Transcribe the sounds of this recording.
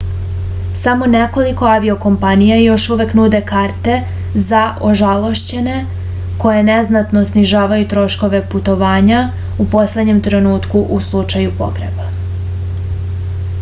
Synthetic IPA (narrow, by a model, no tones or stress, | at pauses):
samo̞ne̞ko̞liko̞aʋio̞ko̞mpanijajo̞ʃuʋe̞knuːd̪e̞kaɾt̪e̞ | zaʔo̞ʒalˠo̞ʃt͡ɕe̞ne̞ | ko̞je̞ne̞znat̪no̞sniʒaːʋajut̪ɾo̞ʃko̞ʋe̞put̪o̞ʋaːɲa | upo̞sled̪ɲe̞mt̪ɾe̞nuːt̪kuʔuslˠut͡ʃajupo̰ɡɾḛba